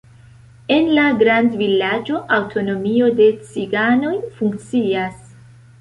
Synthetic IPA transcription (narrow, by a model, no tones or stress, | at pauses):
e̞nlaɡɾandvilad͡ʒo̞ʔawtʰo̞no̞mio̞de̞t͡siɡano̞jfuŋk̚t͡sias